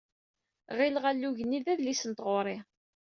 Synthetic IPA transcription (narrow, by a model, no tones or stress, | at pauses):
ʁɪlʁalːuʝəniðæðlisənt̪ʁʊɾˤɪ